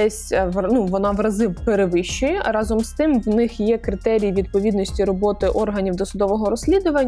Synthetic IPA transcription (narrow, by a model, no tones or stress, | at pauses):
ɛsʲʋnuʋɔnɑʋɾɐzɪʋpeɾeʋɪʃt͡ʃːɪjɛɾɑzɔmst̪ɪmʋnɪxjɛkɾɪt̪ɛɾʲijʋʲid̪̚pɔʋʲid̪nɔsʲtʲiɾɔbɔt̪ɪʔɔrɦɐnʲiwd̪ɔsʊd̪ɔʋɔɦɔɾɔsʲlʲid̪ʊʋɐnʲː